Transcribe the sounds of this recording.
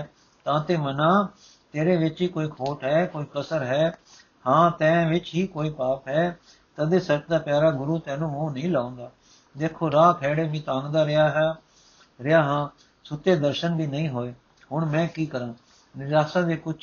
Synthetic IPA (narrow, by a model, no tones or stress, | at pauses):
t̪ãːt̪eːmənãː | t̪eːɾeːʋɪt͡ʃɦiːkoːiːkʰoːʈɦɛːkoːiːkəsəɾɦɛː | hãːt̪ɛ̃ːʋɪt͡ʃɦiːkoːiːpaːpɦɛː | t̪əd̪eːsət͡ʃd̪aːpjaːɾaːɡʊɾuːt̪ɛ̃ːnũːmũːnəɦĩːlaːõːnd̪aː | d̪eːkʰoːɾaːkʰɛːɽeːbĩːt̪ãːŋɡd̪aːɾɪaːɦ | ɾɪaːɦãː | sʊt̪eːd̪əɾʃənbʱiːnəĩːɦoːeː | ɦʊɳmɛ̃ːkiːkəɾãː | nɪzaːsãːd̪eːkʊt͡ʃʰ